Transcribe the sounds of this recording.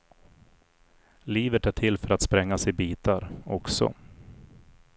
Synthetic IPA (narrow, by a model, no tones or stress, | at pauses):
liːvət̪æʈʰɪlːfœɾat̪spɾɛŋːasɪbiːt̪aɾɔksɔ̰